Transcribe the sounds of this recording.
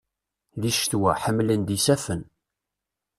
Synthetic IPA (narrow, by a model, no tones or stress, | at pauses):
ðiʃt̪wæħəmːlənd̪isæfən